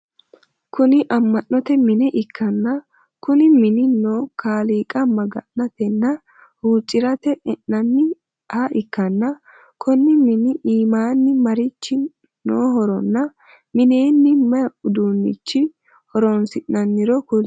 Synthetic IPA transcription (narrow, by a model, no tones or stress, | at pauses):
kʊnɪʔɐmːɐnːɔt̪ɛmɪnɛʔɪkːɐnːɐ | kʊnɪmɪnɪnoːkaːliːkʼɐmɐɡɐ̰nːɐt̪ɛnːɐ | huːt͡ʃʼːɪɾɐt̪ɛɛʔːɐnːɪ | hɐʔɪkːɐnːɐ | kʰɔnːɪmɪnɪʔiːmaːnːɪmɐɾɪt͡ʃːɪ | noːɦɔɾɔnːɐ | mɪne̞ːnːɪmɐʊd̪uːnːɪ̰t͡ʃːɪ | hɔɾɔnsɪʔːɐnːɪɾɔkʊl